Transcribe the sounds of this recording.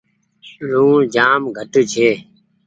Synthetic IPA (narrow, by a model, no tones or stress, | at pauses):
luːd͡ʒaːmɡʱəʈːt͡ʃʰeː